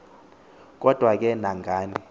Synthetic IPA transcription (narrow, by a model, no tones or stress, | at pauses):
k̬ʼɔd̥ʱwak̬ʼɛnaŋɡʱaːni